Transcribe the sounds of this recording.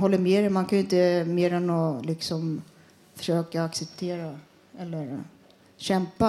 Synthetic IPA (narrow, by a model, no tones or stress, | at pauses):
ɦɔlːəmeːɾɛmankʰanjɪnt̪əmeːɾɛnɔlɪksɔm | fœ̥ʂøːkaːksɛp̚t̪ʰeːɾa | ɛlːəɾ | ɕɛmpa